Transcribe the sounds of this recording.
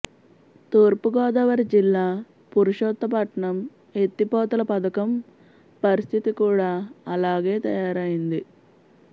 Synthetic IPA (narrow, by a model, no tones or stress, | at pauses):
t̪oːɾpuɡɔːd̪ɐʋɐɾid͡ʒilːaː | puɾuʂɔːt̪ːɐpɐʈɐɳɐm | e̞t̪ːipɔːt̪ɐlɐpɐd̪ɐkɐm | pɐɾist̪ʰit̪ikuːɽaːɐlaːɡeːt̪ɐjaːɾɐjind̪i